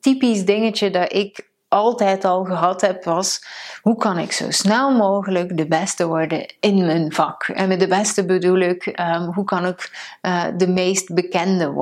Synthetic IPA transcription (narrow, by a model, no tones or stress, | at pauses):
tipisdɪŋət͡ʃədɑtɪk | ɑlˠtɛjtɑlˠɣəɦɑtɦɛpʋɑsɦukɑnɪ̰kso̰wsnɛlˠmoːɣələkdəbɛstəʋɔɹdə̰nɪnmənv̥ɑkɛ̰nmɛt̚dəbɛstəbədulɪkɦukɑnɪkədəmejst̚bəkɛndə̰